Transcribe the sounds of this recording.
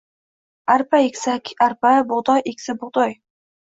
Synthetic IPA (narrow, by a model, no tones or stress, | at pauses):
aɾpaekʲsakʲʰaɾpabʊʁd̪ɒjekʲsɪbʊʁd̪ɒj